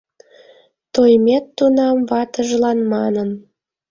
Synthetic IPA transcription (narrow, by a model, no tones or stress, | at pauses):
t̪ojmʲet̪ːunɑmβɑt̪əʒlɑnmɑnən